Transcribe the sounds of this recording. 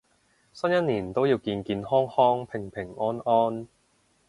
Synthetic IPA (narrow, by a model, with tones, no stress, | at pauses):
sɐ˥njɐ˥n̚niː˨˩nt̪o˥wjiː˧wkiː˧nkiː˧nhɔː˥ŋhɔː˥ŋpʰɪ˨˩ŋpʰɪ˨˩ŋʔɔː˥nɔː˥n